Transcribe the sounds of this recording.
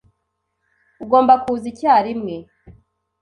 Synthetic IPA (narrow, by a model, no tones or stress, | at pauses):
uɡo̞ːmbakuzicaːɾimŋe